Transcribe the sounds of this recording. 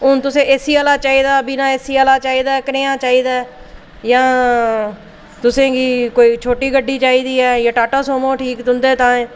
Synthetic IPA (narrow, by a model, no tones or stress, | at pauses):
ʊnt̪ʊsẽːʔeːsiːaːlaːt͡ʃaːiːd̪aːbiːnãːeːsiːaːlaːt͡ʃaːiːd̪aːkəɾeːãːt͡ʃaːiːd̪aː | jãː | t̪ʊsẽːɡiːkoːiːt͡ʃʰoːʈiːɡəɖːiːt͡ʃaːiːd̪iːɦɛːjãːʈaːʈəːsõːmõːʈʰiːkt̪ʊnd̪eːt̪ãːẽː